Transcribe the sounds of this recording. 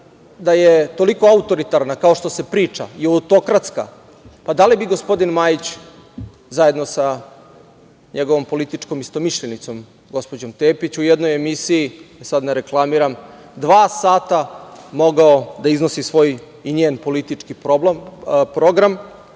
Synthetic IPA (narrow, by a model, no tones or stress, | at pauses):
d̪ajet̪o̞liko̞aut̪o̞ɾit̪aɾnakao̞ʃt̪o̞se̞pɾiːt͡ʃa̰iaut̪o̞kɾat̪ska̰ | pad̪alibiɡo̞spo̞d̪inmajit͡ɕ | zaje̞d̪no̞sa | ɲeɡo̞ʋo̞mpo̞lit̪it͡ʃko̞mist̪o̞miʃʎenit̪so̞m | ɡo̞spo̞d͡ʑo̞mt̪eːpit͡ɕujed̪no̞je̞misijiesad̪naɾe̞klˠamiɾam | d̪ʋaːsaːt̪amo̞ɡaod̪aiznosisʋo̞ːj | iɲeːnpo̞lit̪it͡ʂkipobpɾo̞ɡɾam